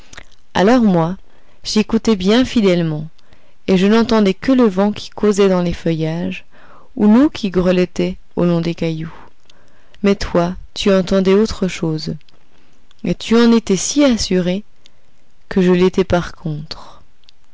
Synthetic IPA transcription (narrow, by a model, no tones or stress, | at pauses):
a̰lɔʁmwa | ʒekut̪ɛbjɛ̃fid̪ɛlmɑ̃ | eʒənɑ̃t̪ɑ̃d̪ɛkələvɑ̃kʲʰi̥kʰozɛd̪ɑ̃lefœjaʒ | unukʰʲiɡʁəlɛt̪ɛ | olɔ̃d̪ekaju | mɛt̪wat̪yɑ̃t̪ɑ̃d̪ɛot̪χəʃoːz | et̪ʰyɑ̃net̪ɛsiasyʁe | kəʒəlet̪ɛpaʁkʰɔ̃t̪χ